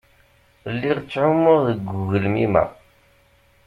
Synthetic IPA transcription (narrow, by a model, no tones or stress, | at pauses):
lːiʁt͡sːʕʊməʁðəɡːʊʝəlmimæ̰